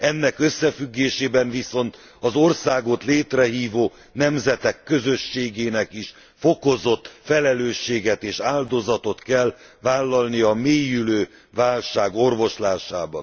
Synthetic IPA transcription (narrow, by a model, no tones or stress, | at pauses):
ɛnːɛkøsːɛfyɡːeːʃeːbɛɱviso̞nt̪ | ɒzo̞rsaːɡo̞t̪leːt̪rɛɦiːvoː | nɛmzɛt̪ɛkːø̞zøʃːeːɡeːnɛkiʃ | fo̞ko̞zo̞t̪ːfɛlɛløːʃːeːɡɛt̪eːʃaːld̪o̞zɒt̪o̞t̪kɛl | vaːlːɒlniɒmeːjyløː | vaːlʃaːɡo̞rvo̞ʃlaːʃaːbɒ̰n